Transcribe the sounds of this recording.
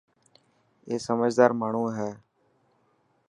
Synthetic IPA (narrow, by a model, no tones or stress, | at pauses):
eːsəməd͡ʒʱd̪aːɾmaːɳ̤ũːɦɛː